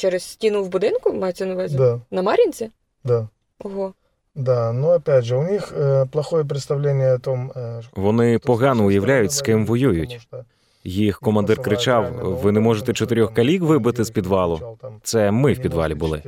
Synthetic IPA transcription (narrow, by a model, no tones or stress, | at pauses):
t͡ʃɛɾɛssʲtʲinʊwbʊd̪ɪnkʊmɑjet͡sʲɛnɐʋɛzʲd̪anɐmɑɾʲinʲt͡sʲi | d̪a | ɔɦɔ | d̪anuɐpʲædʲʐɨʊnʲixəplˠɐxɔjɛp̬ɾʲɪt̪st̪ɐʋlʲenʲːɪjəɐt̪ɔmʋɔnɪpɔɦɑnɔʊjɐʋlʲajʊtʲskɪmʋɔjujʊtʲ | jixkɔmɐnd̪ɪrkɾɪt͡ʃɑwʋɪnɛmɔʐet̪ɛt͡ʃɔt̪ɪɾʲɔxkɐlʲikʋɪbɪt̪ɪzpʲid̪ʋɑlˠʊt̪sɛmɪwpʲid̪ʋɑ̰lʲibʊlˠɪ̰